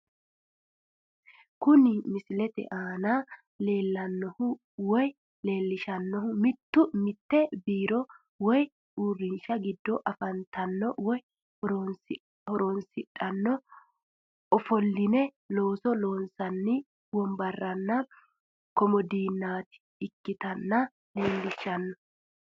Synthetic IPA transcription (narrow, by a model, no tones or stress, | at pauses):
kʊnɪmɪsɪlɛt̪ɛ̰ʔaːna | le̞ːlːɐnːɔhʊ | wɔj | le̞ːlːɪʃɐnːɔhʊmɪt̪ːʊmɪt̪ːɛbiːɾɔ | wɔj | uːrːɪnʃɐɡɪd̪ːɔʔɐfɐnt̪ɐnːɔwɔj | hɔɾɔnsɪᶑɐnːɔ | ɔfɔlːɪnɛ | lo̞ːsɔloːnsɐnːɪ | wɔmbɐrːɐnːɐ | kɔmɔd̪iːnːaːt̪ɪ̥ | ɪkːɪt̪ɐnːɐ | le̞ːlːɪʃɐnːɔ